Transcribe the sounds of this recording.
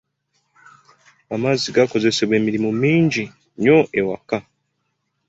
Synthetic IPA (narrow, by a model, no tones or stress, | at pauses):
amaziɡako̞ze̞se̞βwe̞ːmiɾimumiːɲɟi | ɲo̞ʔewaka